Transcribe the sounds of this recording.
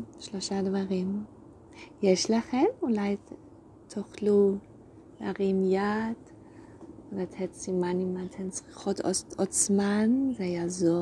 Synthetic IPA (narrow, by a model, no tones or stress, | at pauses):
ʃloʃadvaʁim | jɛʃlaχɛmulaj | tʰoχlu | a̰ʁimjad | vatʰhɛtsimanimatʰɛnt͡sχiχotʰɔɔt͡smanzɛjazo